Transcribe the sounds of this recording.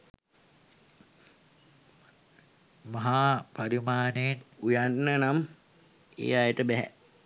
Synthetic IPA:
maɦaːpaɾimaːneːnujanːənam | ḛːajəʈəbæɦæ̰

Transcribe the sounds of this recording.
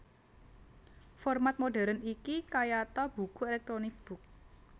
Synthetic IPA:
fɔrmat̪̚moɖa̤ɾənikikajat̪ɔb̥ṳkuelɛk̚t̪ɾonɪk̚b̥ʊ̤k̚

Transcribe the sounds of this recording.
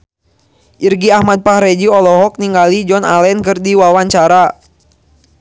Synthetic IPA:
ʔirɡiahmad̪̚pahɾɛd͡ʒiɔlɔɦɔk̚niŋɡalid͡ʒɔna̰lɛnkɨrdiwawaɲt͡ʃaɾa

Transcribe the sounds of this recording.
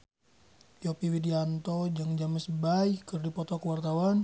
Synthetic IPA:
jɔpiwidiant̪ɔd͡ʒaŋd͡ʒaməsbajkərdipɔt̪ɔkəwart̪awan

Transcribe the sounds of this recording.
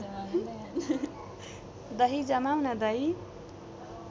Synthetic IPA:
d̪ʌɦid͡ʒʌmawnad̪ʌɦi

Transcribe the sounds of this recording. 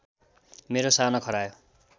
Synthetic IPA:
meɾosanʌkʰʌɾajo

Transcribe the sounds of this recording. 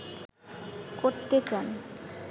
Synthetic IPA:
koɾt̪et͡ɕan

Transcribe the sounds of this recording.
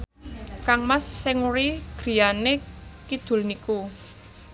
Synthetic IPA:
kaŋmasːɪŋuɾiɡ̥ɾi̤janekid̪̥ṳlniku

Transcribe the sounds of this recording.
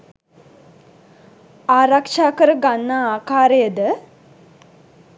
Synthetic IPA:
aːɾakʂaːkəɾəɡanːaaːkaːɾejəd̪ə

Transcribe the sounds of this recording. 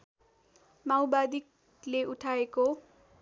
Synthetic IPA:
mawbad̪ik | leʔuʈʰaeko

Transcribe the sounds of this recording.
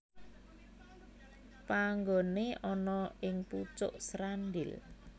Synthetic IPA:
paŋɡoneʔɔnɔɪŋput͡ʃʊ̰ʔsɾanɖɪ̰l

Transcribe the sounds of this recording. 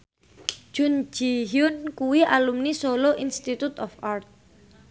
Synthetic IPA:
ʒ̥ʊ̤n̥d͡ʒ̥iɦjʊnkuwiʔalumnisoloʔinst̪it̪ut̪ɔfart̪̚

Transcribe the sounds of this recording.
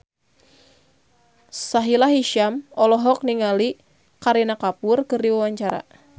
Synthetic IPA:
saɦilaɦiʃamɔlɔɦɔk̚niŋali | kaɾinakapʊrkɨrdiwawaɲt͡ʃaɾa̰

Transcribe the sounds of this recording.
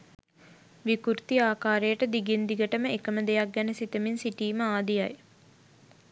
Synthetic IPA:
ʋikuɾt̪iaːkaːɾejəʈəd̪iɡind̪iɡəʈəməekəməd̪ejak̚ɡænəsit̪əminsiʈiːməaːd̪ijaj

